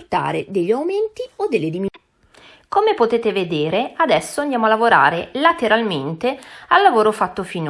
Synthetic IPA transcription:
rt̪a̰ːɾḛd̪eʎːiawment̪iod̪ːelːed̪imi | komepot̪eːt̪eved̪eːɾead̪ɛsːoand̪jaːmoalːavoɾa̰ːɾelat̪eɾalment̪ealːavoːɾofat̪ːofin

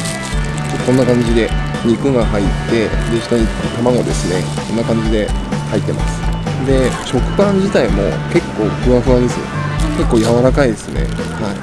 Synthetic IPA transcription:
t͡ɕotːkõ̞nːakãɲ̟d͡ʑid̪e̞ | ɲ̟ikɯ̟ɡaɦait̪ːe̞d̪eɕi̥t̪aɲ̟it̪amaŋo̞d̪e̞sɨne̞ | kõnːakãɲ̟d͡ʑid̪e̞hait̪ːe̞ma̰sɨ̥d̪e̞t͡ɕo̞kɯ̟̥pãɲ̟d͡ʑit̪aimo̞ke̞kːo̞ːkɯ̟βaɸɯ̟βad̪e̞sɨjo̰ke̞kːoːjaβaɾakaid̪e̞sɨne̞̰hai

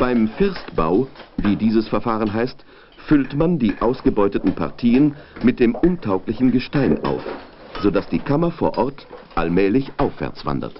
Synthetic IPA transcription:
b̥aɪmfɪɐstb̥a̰ʊviːdiːzəsfɛɐfaːʁənɦaɪst | fʏltmandiːʔaʊsɡ̥əbɔʏtətn̩pʰa̰ʁtʰiːənmɪt̚d̥eːmʔʊntʰaʊklɪçn̩ɡəʃtaɪnʔa̰ʊf | z̥odasd̥iːkʰamɐfoːɐʔɔɐtʔa̰lmɛːlɪçʔaʊfv̥ɛ̰ɐt͡sv̥a̰ndɐ̰t

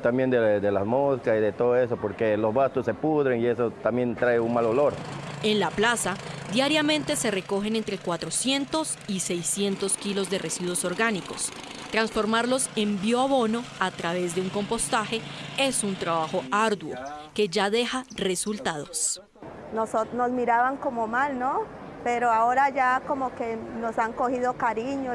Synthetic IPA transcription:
t̪ambjend̪ed̪elazmoskasiðet̪oðoe̞s̬opoɾke̞lo̞zβast̪osːe̞puðɾeŋie̞sot̪ambje̞nt̪ɾaeunmalolo̞ɾe̞nlaplasad̪jaɾjamẽ̞nt̪e̞se̞re̞ko̞xe̞ne̞nt̪ɾe̞kwat̪ɾo̞sje̞nt̪o̞s | ise̞jsje̞nt̪o̞skilo̞zd̪e̞re̞siðwo̞so̞ɾɡaniko̞̰s | t̪ɾansfo̞ɾmaɾlo̞se̞mbjoaβo̞no̞at̪ɾaβe̞zd̪e̞uŋko̞mpo̞st̪axe̞e̞sunt̪ɾaβaxo̞aɾd̪wo̰ke̞ʝaðe̞xare̞sult̪að̞o̞s | nosonozmiɾaβaŋko̞momalno | peɾoaoɾad͡ʒakomoke̞nosaŋkohiðo̞kaɾiɲo

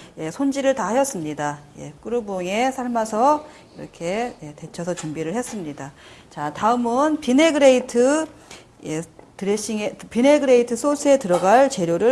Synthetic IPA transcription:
je̞sʰond͡ʑiɾɯɭtahajʌs͈ɯmɲidaje̞̰k͈ɯɾɯboŋe̞sʰaɭmasʰʌ | iɾʌ̰kʰe̞je̞twe̞t͡ɕʰʌsʰʌt͡ɕumbiɾɯɭhe̞s͈ɯmɲidat͡ɕataɯmɯnpine̞ɡɯɾeitʰɯ | je̞tɯɾeɕ͈iŋepine̞ɡɯɾe̞itʰɯs͈osʰɯe̞tɯɾʌɡaɭt͡ɕe̞ɾjoɾɯ

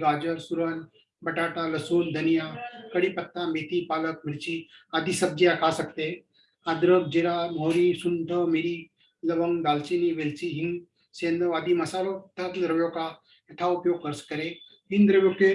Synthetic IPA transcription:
ɡaːd͡ʒəɾsuɾən | bɐʈaːʈalɐsoːnd̪ʱɐnijakɐɽipɐt̪ːamet̪ipaːlək̚milt͡ʃiad̪isɐb̚d͡ʒijakʰasɐkt̪e | ad̪ɾək̚d͡ʒeɾamoːɾisunʈ̪ʰəmiɾi | lɐʋəŋd̪aːlt͡ʃiniʋelt͡ʃiɦiŋ | seːnd̪əʋaːd̪imɐsaːlot̪at̪d̪ɾəʋjoːka | eʈʰaupjoːɡ̚kəɾskəɾe | ɦind̪ɾəʋjoːke

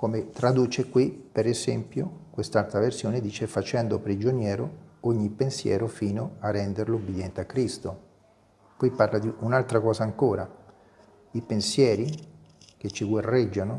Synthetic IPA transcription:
komet̪ɾad̪uːt͡ʃekwipeɾezɛmpjokwest̪alt̪ɾaversjoːned̪iːt͡ʃefat͡ʃɛnd̪opɾid͡ʒonjɛːɾooɲːipːensjɛ̰ːɾofiːnoarːɛnd̪eɾloubːed̪jɛnt̪eakːɾist̪o | kɔjpːarlad̪iunalt̪ɾakɔːsaːŋkoːɾa | ipensjɛːɾi | ket͡ʃːiɡwarːɛd͡ʒːano

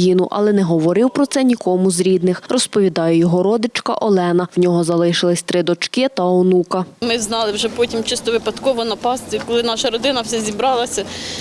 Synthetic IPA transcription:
jinʊʔɐ̰lˠɛnɛɦɔʋɔɾɪwpɾɔt̪sɛnʲikɔmʊzɾʲid̪nɪxrɔspɔʋʲid̪ɑjɛjɔɦɔɾɔd̪ɪt͡ʃkɐ̰ʔɔlˠɛnɐwnʲɔɦɔzɐlˠɪʃɪlˠɪsʲt̪ɾɪd̪ɔt͡ʃkɪt̪ɐɔwnukɐmɪznɑlˠɪwʒɛpɔtʲimt͡ʃɪst̪ɔʋɪpɐd̪kɔʋɔnɐpɑst̪ʲikɔlˠɪnɑʃɐɾɔd̪ɪnɐwsɛzʲibɾɑlˠɐsʲɐ

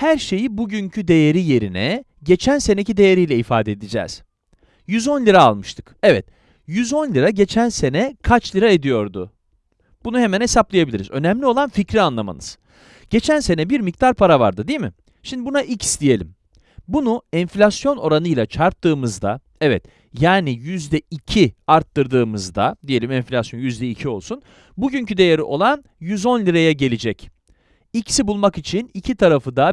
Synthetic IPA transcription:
hæɾʃe̞jibuɟyɲcʰyd̪e̞jeɾije̞ɾinɛ̰ | ɟe̞t͡ʃʰænse̞necid̪e̞jeɾijlʲɛifa̰ːd̪ɛd̪id͡ʒɛ̰ːz̥ | jyzo̞nlʲiɾaːlˠmɯʃt̪ʰɯ̥kevɛt̪ | jyzo̞nlʲiɾaɟe̞t͡ʃʰænse̞nɛkʰat͡ʃlʲˠiɾae̞d̪ijo̞ɾd̪ʊ̰ | b̥unuhe̞mænhe̞saplˠajabilʲiɾḭzø̞næmlʲio̞lˠanficɾianlˠama̰nɯ̰z̥ | ɟ̥e̞t͡ʃʰænse̞nɛbiɾmic̚t̪ʰaɾpʰaɾava̰ɾd̪ɯd̪ijimɪ̰ | ʃimd̪ibunaʔicsd̪ije̞lʲḭm | bunuɛnflʲasjo̞no̞ɾanɯjlˠat͡ʃʰaɾt̪ʰːɯːmɯzd̪a̰ | ɛvɛ̰t̪ | jaːnijyzd̪ɛicʰiaɾt̪ʰːɯɾd̪ɯːmɯzd̪a̰d̪ije̞lʲimɛnfʲlʲasjo̞njyzd̪ɛicʰio̞lˠsun | buɟyɲcʰyd̪e̞jeɾiʔo̞lˠan | jyzo̞nlʲiɾajɛɟe̞lʲid͡ʒɛc | icsibulˠmakit͡ʃʰinicʰit̪ʰaɾafɯd̪a

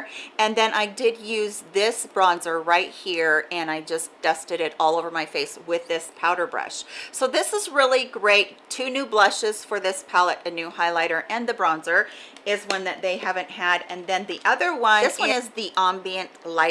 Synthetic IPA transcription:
ɨ̃nðɨ̃ñʔaɪdɪd̚jʉzðɪsb̥ɹɑ̃nzə˞ɹaɪt̚hiɹɨ̃naɪd͡ʒʌsd̥ʌstɨɾɨɾɔlˠoʊvə˞maɪfeɪswɪðɪspʰaʊɾə˞bɹʌ̰ʃsoʊðɪsəzɹɪlˠiɡɹeɪtʰʉnʉblʌʃɨz̥fə˞ðɪspʰælˠəɾɨnʉhaɪlaɪɾə˞ʔɨ̃nðɨbɹɑ̃nzə˞ɪzwʌ̃nðɨt̪̚ðeɪɦævɨ̃nʔhɨɾɨ̃nðɨ̃nðiʔʌðə˞wʌ̃nðɪswwʌ̃nɪzðiʔɑ̃mbiɨ̃nʔlaɪ

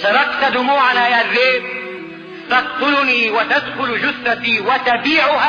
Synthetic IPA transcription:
sɑɾˤɑqt̪ad̪ʊmuːʕanaːʔɪrːeːb | t̪ɑqt̪ˤʊlniːwat̪ad̪xʊld͡ʒʊsːat̪iːwat̪abiːʕʊha

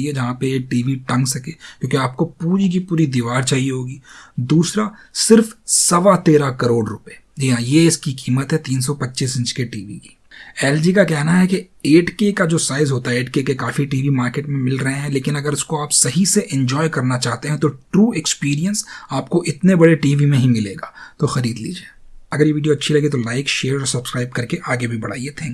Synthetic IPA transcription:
iɛd͡ʒɐɦãpeːkʈiːʋiʈɐ̃ŋɡsɐkekjõːkiaːp̚kopuːɾik̬ipuːɾid̪iʋaːɾt͡ʃaːɦieɦoːɡiːd̪uːsɾasɪɾfsɐʋat̪eːɾakɐɾoːɖɾʊpeːd͡ʒiːɦãːjeɪskikiːmət̪ɦɛt̪iːns̬ɔpɐtːʃiːsɪ̃nt͡ʃkeʈiːʋḭki̥ː | ɛːld͡ʒikakɛɦnaɦɛki | eːʈkekad͡ʒoːsaːɪzɦoːt̪aɦɛeːʈkekekaːfiʈiːʋimaːɾkeːʈmẽmɪlɾɐɦẽɦɛ̃leːkɪnɐɡəɾɪskoaːpsɐɦiseʔɪ̃ɲd͡ʒɔːjkɐɾnat͡ʃaːɦt̪eɦɛ̃t̪oʈɾuːekspiːɾiə̃nsaːpkoʔɪt̪nebɐɽeʈiːʋimẽɦĩmɪleːɡaːt̪oxɐɾiːd̪lḭːd͡ʒieːɐɡəɾjeʋiːɖijoɐtːʃʰilɐɡiet̪olaːɪkʃeːɾɔɾsɐbskɾaːɪb̚kɐɾkeʔaːɡebʱibɐɽ̤a̰ːiet̪ʰɛ̃ːŋk

